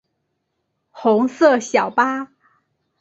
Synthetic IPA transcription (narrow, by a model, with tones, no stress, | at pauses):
xʊ˧˥ŋsɤ˥˩ɕjɑ˨˩ʊpa˥